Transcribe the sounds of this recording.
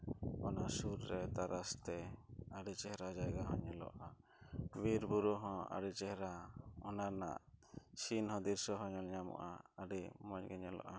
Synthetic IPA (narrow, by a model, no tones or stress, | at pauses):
ɔnasuɾɾɛt̪aɾʔast̪ɛaɖit͡ʃɛɦɾad͡ʒajɡaɦɔɲɛlɔ̰ʔa | biɾbuɾɔɦɔ̃a̰ɖit͡ʃɛɦɾaɔnana̰ʔsinhɔ̃d̪iɾsɔɦɔɲɔlɲamɔ̰ʔa̰aɖimɔɲɡɛɲɛlɔ̰ʔa